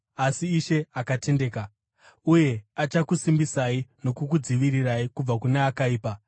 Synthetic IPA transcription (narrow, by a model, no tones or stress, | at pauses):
asiːʃe̞akate̞nde̞ːka | uje̞at͡ʃakusimbisaino̞kukud͡ziʋiɾiraikub͡vakuneakaiːpa